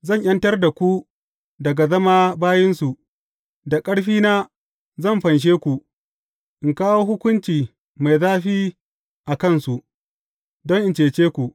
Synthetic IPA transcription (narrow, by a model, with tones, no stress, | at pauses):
zɐ˦˨ɲʔjɐ˦ntɐ˦rda˨kʷu˦ | dɐ˨ɡa˨zɐ˦maː˦baː˦jɪ˦nsu˨ | da˨kʼɐ˦ɽɸiː˦naː˦ | zɐ˦˨mɸɐ˨nʃ̬eː˦kʷu˨ | ʔɪ˨ŋkaː˦woː˦ɦʊ˦kʷʊ˦nt͡ʃiː˨ | ma˨jzaː˦ɸiː˦ | ʔa˨kɐ˦˨nsu˨ʔ | dɔ˦ŋʔɪ˨nt͡ʃeː˨t͡ʃeː˦kʷu˨ʔ